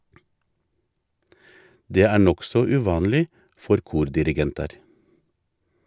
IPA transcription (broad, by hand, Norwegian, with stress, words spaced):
ˈdeː ˈæː ˈɳɔksɔ ʉːˈʋɑːnliː ˈfɔɾ ˈkuːɾdɪɾɪˌɡɛntɑɾ